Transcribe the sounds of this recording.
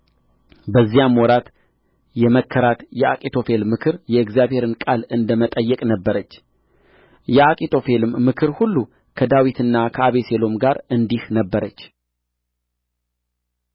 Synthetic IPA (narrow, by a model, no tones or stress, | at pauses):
bəzːijamwɔɾat̪ | jɛməkʰːəɾat̪jɛa̰kʼit̪ʰo̞fe̞lmɨkʰɨɾjɛɨɡzjaβhe̞ɾɨnkʼalɨnd̪əmət̪ʼəjːɛkʼnəbːəɾət͡ʃː | jɛakʼit̪ʰo̞fe̞lɨmmɨkʰɨɾhulːu | kʰəd̪awit̪ʰɨnːakʰəaβese̞lo̞mɡaɾɨnd̪ihnəbːəɾət͡ʃː